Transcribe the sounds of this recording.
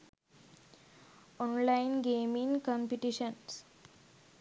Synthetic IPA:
ɔ̃nlaɪinɡeːmĩŋɡkɔmpiʈiʃəns

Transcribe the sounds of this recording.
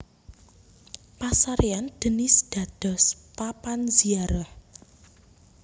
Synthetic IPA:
pasaɾeand̪̥ə̤nɪsd̪̥a̤d̪̥ɔ̤spapanziaɾɔh

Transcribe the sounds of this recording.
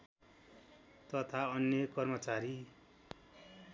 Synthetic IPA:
t̪ʌt̪ʰaʌnjʌkʌrmʌt͡saɾi

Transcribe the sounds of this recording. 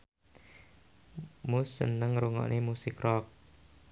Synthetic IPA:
musːənəŋɾuŋɔ̰ʔnʔemusɪkrɔk̚

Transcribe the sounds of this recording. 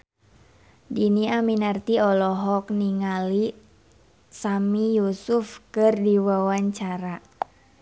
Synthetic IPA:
diniaminart̪iɔlɔɦɔk̚niŋali | samijusufkɨrdiwawaɲt͡ʃaɾa

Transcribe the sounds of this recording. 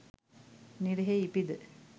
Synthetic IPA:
niɾeɦeipid̪ə

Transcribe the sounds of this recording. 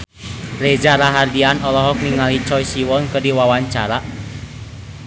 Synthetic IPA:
rɛd͡ʒaɾaɦardianɔlɔɦɔk̚niŋalit͡ʃɔjsiwɔnkərdiwawaɲt͡ʃaɾa

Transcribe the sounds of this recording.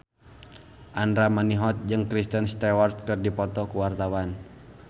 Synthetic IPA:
ʔandɾamaniɦɔt̪̚d͡ʒɨŋkɾist̪ənst̪ɛwɔrt̪̚kɨrdipɔt̪ɔkuwart̪awan

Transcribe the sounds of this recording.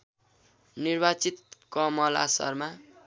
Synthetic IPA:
nirbat͡sit̪̚kʌmʌla̰sʌ̰rma

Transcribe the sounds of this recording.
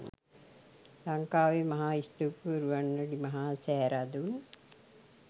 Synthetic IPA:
lɐŋkaːʋemɐɦaːisʈukuɾuʋɐnːɐɽimɐɦaːsɛːɾad̪un

